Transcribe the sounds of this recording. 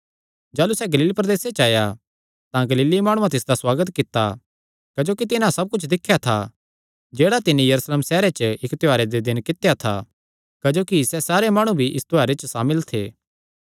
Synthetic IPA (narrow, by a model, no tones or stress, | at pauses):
d͡ʒaːlusɛɡɐliːlipɾɐd̪eːset͡ʃaːja | t̪ãɡɐliːlimaːɽ̃ũãt̪ɪsd̪aswaːɡət̪kɪt̪ːa̰ | kɐd͡ʒoːkit̪̬ɪnãsɐb̚kʊt͡ʃʰd̪ɪkʰːjat̪ʰa̰ | d͡ʒeːɽat̪ɪnːẽjɐɾuːsleːmsɛːɾet͡ʃəɪkt̪ɪaːɾed̪ed̪ɪnkɪt̪jat̪ʰa̰ | kɐd͡ʒoːkisɛsaːɾemaːɽ̃ũbʱiʔɪst̪ɪaːɾet͡ʃəsaːmɪlt̪ʰḛː